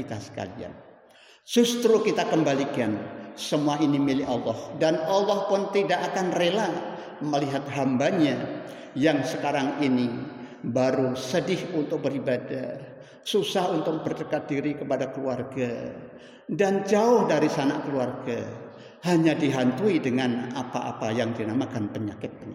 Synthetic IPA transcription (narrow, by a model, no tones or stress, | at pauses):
it̪asə̥ka̰lḭa̰n | d͡ʒust̪ɾukit̪akəmbalikansəmuainimilɪhɑlːɔhdanalːɔhpʊnt̪idaʔakanrela | məliɦat̪̚ɦambaɲa | jaŋsəkaɾaŋini | baɾusədɪhunt̪ʊk̚bəɾibada | susahunt̪ʊk̚bərdəkat̪̚diɾikəpadakəluarɡa | dand͡ʒaʊhdaɾisana̰kəluarɡa | haɲadiɦant̪uidəŋanapaʔa̰pajaŋdinamakanpəɲakɪt̪̚ŋ